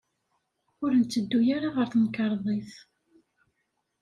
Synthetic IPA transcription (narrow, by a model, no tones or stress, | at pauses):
ʊɾnt͡s̪ːəd̪ːujaɾaʁəɾθnkɑɾˤðˤeθ